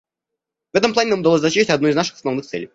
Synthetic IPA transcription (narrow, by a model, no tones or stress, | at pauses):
vɛt̪əmplˠanʲɪnamʊd̪ɐlosʲzɐɕiɕɪtʲɐd̪nɔiznaʂɨ̥xəsɐvnɨxt̪sɛ̰lʲɪj